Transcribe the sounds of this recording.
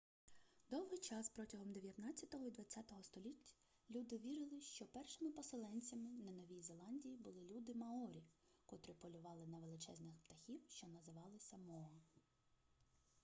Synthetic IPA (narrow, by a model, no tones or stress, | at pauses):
d̪ɔwɦɪjt͡ʃɑspɾɔtʲɐɦɔmd̪eʋʲjɐt̪nɑt͡sʲːɐt̪ɔɦɔid̪ʋɐt͡sʲːat̪ɔɦɔst̪ɔlʲitʲːɐ̥ | lʲud̪ɪʋʲiɾɪlˠɪʃt͡ʃɔpɛrʃɪmɪpɔsɪlˠɛnʲt͡sʲɐmɪnɐnɔʋʲijzelˠɑnʲdʲijibʊlˠɪlʲud̪ɪmɐɔɾʲi | kɔt̪ɾɪpɔlʲʊʋɑlˠɪnɐʋe̞lˠɪt͡ʃɛznɪxpt̪ɐxʲiwʃt͡ʃɔnɐzɪʋɑlˠɪsʲɐmɔɦɐ